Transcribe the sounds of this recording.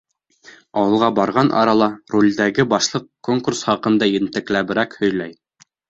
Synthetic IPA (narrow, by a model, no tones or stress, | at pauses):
ɑwɤ̆lˠʁɑbɑɾʁɑnʔɑ̰ɾɑlˠɑrulʲd̪æɡɘbɑʃlˠɤqkːoŋkursχɑqɤ̆nd̪ɑjɘ̆nt̪ɘ̆klæbɘ̆ɾækhɵ̆jlæj